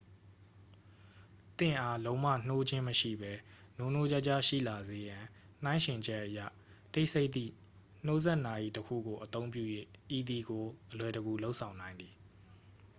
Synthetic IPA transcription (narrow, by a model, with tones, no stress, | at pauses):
t̪ɪ̰̃˦˨ʔa˦lõ˦ʊ̃ma̰˦˨n̥o˦d͡ʑɪ̃˦məʃḭ˦˨bɛ˦no˦˨n̥o˦d͡ʑa˦ʔt͡ɕa˦˨ʃḭ˦˨la˨ze˨˦jã˨ | n̥ã˦ɪ̃ʃɪ̃˨ɲd͡ʑɛ˦ʔːəja̰˦˨ | te˦ɪʔsʰe˦ɪʔt̪̚ḭ˦˨ | n̥o˦zɛ˦ʔna˨ʔi˨təkʰṵ˦˨ɡo˨ʔət̪õ˦ʊ̃mp̬jṵ˦˨jḛ˦˨ʔi˨d̪i˨ɡo˨ʔəlwɛ˨təɡu˨lo˦ʔsʰã˨ʊ̃nã˨ɪ̃nd̪i˨